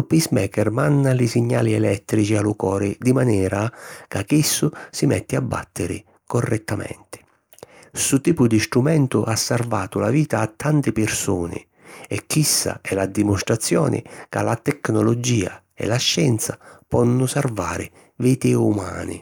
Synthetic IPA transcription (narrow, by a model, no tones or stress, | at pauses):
upːismɛːkɛrmanːalɪsiɲːaːliɛlɛt̪ːɾit͡ʃialukɔːɾɪd̪imanɛːɾakakisːʊsimɛ̰t̪ːɪabːa̰t̪ʰːɪɾɪ̰ | kɔrːʔɛt̪ːamɛ̰nt̪ɪ̥ | sut̪iːpʊd̪ist̪ɾumɛnt̪ʊʔasːarvaːt̪ʊlaviːt̪aːt̪ːant̪ɪpɪrsuːnɪ̰ | ɛkʰːisːa̰ɛlad̪imʊst̪ɾat̪sːjɔːnɪ̰ka̰lat̪ɛknɔlɔd͡ʒiːa̰ | ɛ̰laʃːɛnt̪sapɔnːʊsarvaːɾɪ | viːt̪ɪuma̰ːnɪ̰